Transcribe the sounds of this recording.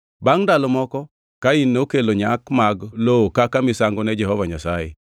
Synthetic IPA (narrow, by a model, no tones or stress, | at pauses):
baŋdalomɔkɔ | kainːokeloɲakmaɡlokakamɪsaŋɡonɛd͡ʒɛɦɔvaɲasajḛ